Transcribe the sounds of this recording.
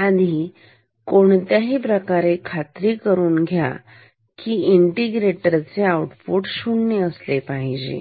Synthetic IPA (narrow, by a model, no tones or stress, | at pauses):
ad̪ʱi | koɳt̪jaɦiːpɾəkaɾekʰat̪ɾiːkəɾuːnɡʱja̰ | kiːiɳʈiɡɾeʈəɾt͡seauʈpuʈɕuɳːeəslepaɦid͡ʑḛ